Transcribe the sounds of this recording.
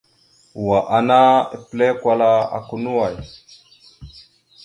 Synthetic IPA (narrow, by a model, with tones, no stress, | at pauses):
wa˨ʔa˨na˦e˨ple˦kwa˦la˦a̰˨ku˦nu˦wa˨j